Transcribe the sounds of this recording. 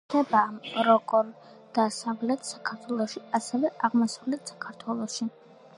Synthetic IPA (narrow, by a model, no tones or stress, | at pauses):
ɛbaɾɔɡʼɔɾ | d̪̥asavlɛt̪ʰsakʰaɾt̪ʰwɛlˠɔʃiasɛvɛʔaʁmɔsavlɛt̪ʰsḁkʰaɾt̪ʰwɛlˠɔʃi